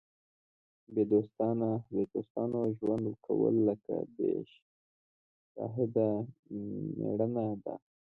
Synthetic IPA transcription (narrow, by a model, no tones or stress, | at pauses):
bed̪ost̪ɑnabed̪ost̪ɑnoʒwand̪wəkʰawə̰lːəka̰b̪eʃ | sɑɦɪd̪a | meɽənad̪a̰